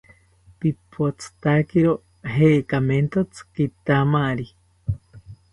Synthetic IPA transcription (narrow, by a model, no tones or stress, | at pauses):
pipʰot͡sʰɨ̥t̪akeɾo | ɦeːkament̪ot͡sʰɨ̥kit̪amaɾi